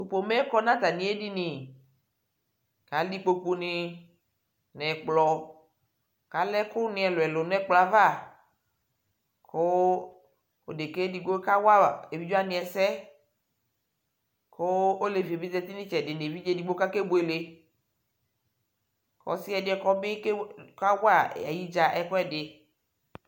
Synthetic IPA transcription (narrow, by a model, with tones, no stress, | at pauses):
u˨po˨mɛ˦kɔ˦nã˦t̪a˨nĩ˨˦e˦di˦nĩ˨ | ka˨˦li˦k͡po˨k͡pu˧nɪ˧ | nɛ˨k͡plɔ˨ | ka˨lɛ˦kʊ˦nɪ̃˨˦ɛ˨lo˨ɛ˨lo˨n˦ɛ˦k͡pla˨va˦˨ | kʰo˦ | o˨de˨ke˦di˨ɡ͡bo˦ka˦wa˦˨e˨vi˦d͡ʒo˦a˦nĩ˨ɛ˨sɛ˦ | ko˦o˦le˨vi˨e˨bi˦dɛ˦t̪i˦nĩ˦t͡ʃɛ˨dɪ˨ne˨vi˦d͡ʒe˦˨di˨ɡ͡bo˦ka˦ke˦bo˨e˨le˨ | kɔ̰˨˦si˦ɛ˨dɪ˨˦ɛ˨kɔ˦bɪ˦kka˦wa˦˨a̰˨ji˦d͡ʒa˨ʔɛ˨kɔ˦ɛ˦˨dɪ˨